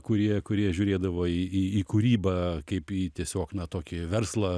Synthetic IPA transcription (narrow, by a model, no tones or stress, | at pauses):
kʊɾʲiɛkʊɾʲiɛʒʲʊːɾʲeːd̪ɐʋoːiːiiːkʊɾʲiːbɐkɐɪpiːt̪ʲiɛsʲoːknɐt̪oːkʲɪʋʲɛrslˠɐ